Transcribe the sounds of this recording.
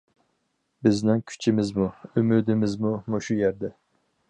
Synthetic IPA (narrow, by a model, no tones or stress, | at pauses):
bɪznɪŋkʲʰy̥t͡ʃʰimɪzmuymyd̪ɪmɪzmumoʃujɛɾd̪ɛ